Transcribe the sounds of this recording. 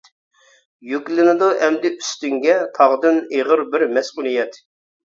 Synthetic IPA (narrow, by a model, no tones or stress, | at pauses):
jykʲlɪnɪd̪ɑʔɛmd̪ɪʔyst̪yŋɡʲɛt̪ʰɑʁd̪ɨneʁəɾbɪɾmɛsqulˠijɛt̪